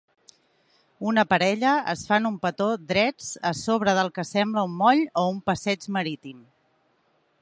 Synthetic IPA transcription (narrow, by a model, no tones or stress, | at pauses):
unəpəɾɛʎəə̰sfanumpət̪od̪ɾɛd͡zəsoβ̞ɾəðəlˠkəsɛmbləumːɔʎoumpəsɛd͡ʒməɾit̪im